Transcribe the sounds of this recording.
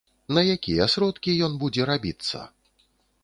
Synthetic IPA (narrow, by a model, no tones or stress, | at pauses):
nɐjakʲijɛsɾɔt̪kʲijɔnbud͡zʲɛɾabʲit̪sːɐ̰